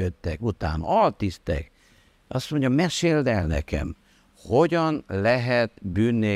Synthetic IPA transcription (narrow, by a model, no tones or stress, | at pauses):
øt̪ːɛkut̪a̰ːn̰ɒlt̪ist̪ɛ̰k | ʔɒst̪mo̞ɲɟɒmɛʃeːld̪ɛlnɛ̰kɛ̰m | ho̞ɟɒnlɛɦɛt̪byːnːeː